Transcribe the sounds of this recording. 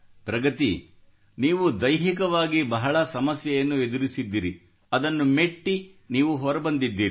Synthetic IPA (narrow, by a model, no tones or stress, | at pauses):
pɾɐɡɐt̪ḭ | niːʋud̪ɐjɦikɐʋaːɡibɐɦɐɭɐsɐmɐsjɐjɐnːued̪uɾisid̪ːiːɾi | ɐd̪ɐnːumeʈːi | niːʋuɦɔɾɐbɐnd̪id̪ːiːɾi